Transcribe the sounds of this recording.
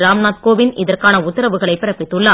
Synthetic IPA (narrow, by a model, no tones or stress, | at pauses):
ɾaːmnaːt̪koːʋɪnɪðɐrkaːnɐʊt̪ːɪɾɐʋɯɣɐɭɐɪpːɪɾɐpːɪt̪ːɯɭːa